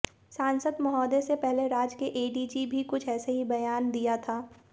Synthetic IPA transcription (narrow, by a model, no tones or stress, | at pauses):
sãːnsəd̪mɐɦɔːd̪esepɛɦleɾaːd͡ʒkeʔeːɖiːd͡ʒibʱikʊt͡ʃʰɛːseɦibɐjaːnd̪ijat̪ʰaː